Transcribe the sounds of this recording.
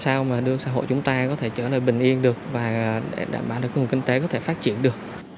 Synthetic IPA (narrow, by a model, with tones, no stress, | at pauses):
saː˧wmaː˨˩ɗɨ˧əsaː˧ɦo̰˧˨jt͡ɕʊ˨˦ŋ͡mt̪aː˧kɔ˨˦t̪ʰe˧˩t͡ɕəː˧˩lə̰ː˨˩jɓï˨˩ŋ̟ʔi˧ənɗɨ˨˩ək̚vaː˨˩ɗe˧˩ɗa̰ː˧˩mɓaː˧˩wɗɨ˨˩k̚hu˨˩ŋkï˧ŋ̟t̪e˨˦kɔ˨˦t̪ʰe˧˩faː˦˥t̚t͡ɕḭ˧˨ənɗɨ˨˩ək̚